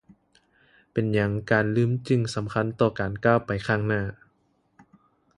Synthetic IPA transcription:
pe˨njɲa˧˦ŋkaː˨nlɯː˧˥˨mt͡ɕɯ˧˩ŋsa˩˦mkʰa˧˥˨nt̪ɔː˧˩kaː˨˩nkaː˥˩wpa˨jkʰaː˥˩ŋnaː˧˥˩

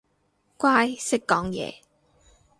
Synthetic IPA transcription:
kʷaː˥jsɪ˥kːɔː˨˥ŋjɛ̰ː˨˧

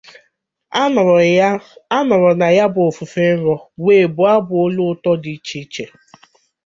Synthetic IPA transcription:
a˦nɔ˨ɾɔ˨na˨ja˦bʊ˨fu˨fe˦n̩˦ɾɔ˦weː˨bʊ˨a˦bʊ˨o˦lu˦tɔ˦di˨˦t͡ʃi˦t͡ʃe˨

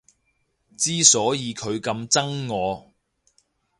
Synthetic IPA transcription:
t͡siː˥sɔː˨˥jiː˨˧kʰɵ˨˧ɥkɐ˧mt͡sɐ˥ŋːɔː˨˧

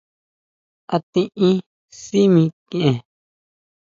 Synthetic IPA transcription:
a˧t̪ĩ˦ʔĩ˦ | si˦mĩ˧kĩ˦˨ʔẽ˨

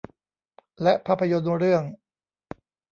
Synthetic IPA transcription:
lɛ˦˥ʔpʰaː˦˥˩pʰːa˧jo˧nɾɯ˥˩əŋ

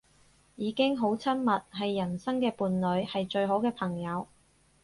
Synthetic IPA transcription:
jiː˨˧kɪ˥ŋɦo˨˧˥wt͡sʰɐ˥nmɐ˨t̚ɦɐ˨jːɐ˨˩nsɐ˥ŋkɛː˧puː˨nlɵ˨˧ɥhɐ˨jt͡ʃɵ˧ɥɦo˨˥wkɛː˧pʰɐ˨˩ŋjɐ˨˧w

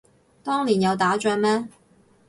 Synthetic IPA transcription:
t̪ɔː˥ŋliː˨˩njɐ˨˧wt̪aː˨˥t͡ʃɐː˧nmɛː˥

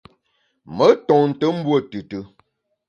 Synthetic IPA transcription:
mə˨˦tɔ˨ŋn̩˨tə˦m̩˦bwə˦˨tɨ˨tə˨

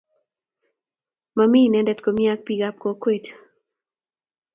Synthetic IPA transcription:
mami˦nɛ˦ndɛ˦t̪ko˨mja˦k̚pi˦ɡa˦p̚ko˦kwe˨t

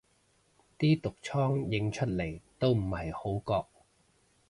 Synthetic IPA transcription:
t̪iː˥t̪ʊ˨k̚t͡ʃʰɔː˥ŋjɪ˨˥ŋt͡ʃʰɵ˥t̚le˨˩jt̪o˥wm̩˨˩hɐ˨˩jho˨˥wkɔː˧k̚

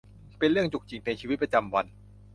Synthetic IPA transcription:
pe˧nɾɯ˥˩əŋt͡ɕu˨˩k̚t͡ɕi˨˧ŋpe˧nt͡ɕʰiː˧i˦˥pɾa˧t͡ɕa˧mwa˧n

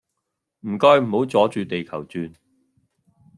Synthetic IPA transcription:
m̩˨˩kɔː˧jm̩˨˩ho˨˥wt͡sɔː˨˥t͡ʃyː˨t̪e˨jkʰɐ˨˩wt͡syː˧n

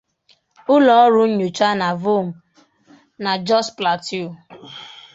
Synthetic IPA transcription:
ʊ˦lɔ˨ɔ˦ɾʊ˦ɲ̩˦ɲu˨t͡ʃa˦na˨vo˦m̩˨ | na˨d͡ʒɔ˦spla˨tu˦˨

